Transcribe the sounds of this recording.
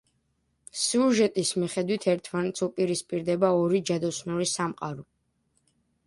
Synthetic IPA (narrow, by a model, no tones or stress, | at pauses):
siuɾʒɛt̪ʼismiχɛd̪wit̪ʰɛɾt̪ʰmanɛt̪sʰupʼiɾispʼiɾd̪ɛbaɔɾid͡ʒad̪ɔsnuɾisamqʼaɾɔ